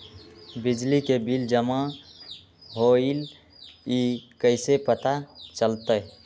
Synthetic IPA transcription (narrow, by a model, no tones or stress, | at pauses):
bid͡ʒlikebild͡ʒəma | ɦoil | ikəɪsepət̪at͡ʃəlt̪əj